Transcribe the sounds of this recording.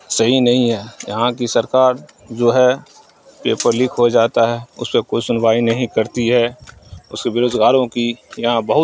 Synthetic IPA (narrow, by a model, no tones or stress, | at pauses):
sɐɦinɐɦĩɦɛːjɐ̰ɦãkisɐɾkaːɾ | d͡ʒoːɦɛ | peːpəɾlɪkʰɦod͡ʒaːt̪aɦɛʊ̰spekoisʊnwaːinɐɦĩkɐɾt̪iɦɛ | ʊskebeɾoːd͡ʒɡaːɾõkijɐɦãbɐɦʊ